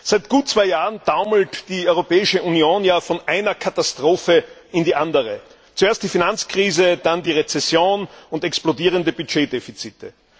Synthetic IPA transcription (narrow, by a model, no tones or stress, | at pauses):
z̥æɪtɡ̥uːt̚t͡sv̥aɪjaːʁənd̥aʊml̩td̥iːɔʏʁopɛːɪʃəʔunioːnjaːfɔnʔaɪnɐkʰatastʁ̥oːfə | ɪndiːʔandəʁə | t͡sueːɐstd̥iːfinant͡skʁ̥iːzəd̥andiːʁet͡sɛsjoːnʊntɛksplodiːʁ̞əndəbyd͡ʒeːdefit͡siːtʰə